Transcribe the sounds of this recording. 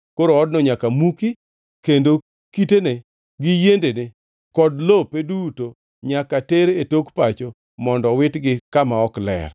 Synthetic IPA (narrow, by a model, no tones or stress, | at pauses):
koɾoɔdnɔɲakamuki | kendo | kitene | ɡɪjendene | kɔdlopeduto | ɲakateɾetokpat͡ʃo | mɔndɔwɪtɡɪkamaɔklɛ̰r